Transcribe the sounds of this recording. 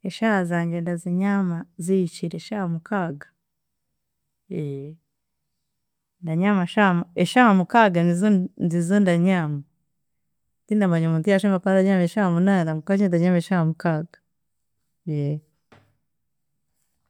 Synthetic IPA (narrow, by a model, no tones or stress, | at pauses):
eʃahazaːɲɡendaziɲamaziit͡ʃiɾeʃahamukaːɡḁ | je | ndaɲamaʃamaeʃahamukaɡaniznzizondaɲaːma | tindamaɲamuntijaʃomakadaɲameʃahamunandamukaɲendaɲameʃahamukaɡḁ | je